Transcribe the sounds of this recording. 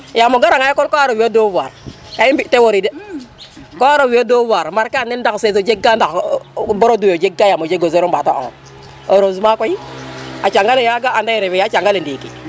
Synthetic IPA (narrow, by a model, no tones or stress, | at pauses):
jamoɡaɾaŋajekolkoaɾowiodovaɾ | kaibitewoɾide | koaɾowiodovaɾmaɾkanendaksez̬od͡ʒeɡandakboɾodujod͡ʒeɡajamod͡ʒeɡozeɾombata̰ʔo̰ː | oɾozumakʷojiat͡ʃaŋɡalejaɡaandajeɾebejat͡ʃaŋɡalendikḭ